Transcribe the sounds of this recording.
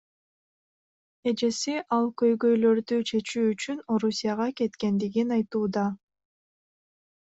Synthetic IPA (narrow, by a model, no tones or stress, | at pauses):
e̞d͡ʒe̞siʔɑlˠkø̞jɡø̞jlø̞ɾd̪yt͡ʃʰe̞t͡ʃyːt͡ʃyno̞ɾusʲijaʁɑke̞t̪ke̞nd̪iɡinɑjt̪uːd̪ɑ